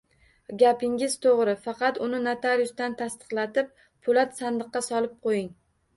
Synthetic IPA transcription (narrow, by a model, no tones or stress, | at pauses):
ɡʲapɪŋʲɪz̥t̪ʰoʁɾɪfɑqɑt̪ʊnɪnat̪ʰaɾjʊst̪ant̪ʰast̪ɨ̥qlˠat̪ɪp̚ | pʰʊlat̪sand̪ɨqːɑsɒlˠɪp̚qʰojɪŋ